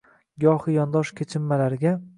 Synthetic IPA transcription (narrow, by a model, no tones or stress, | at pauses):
ɡɒhɨjɒnd̪ɒʃkʲʰet͡ʃʰɪmːalaɾɪɡʲa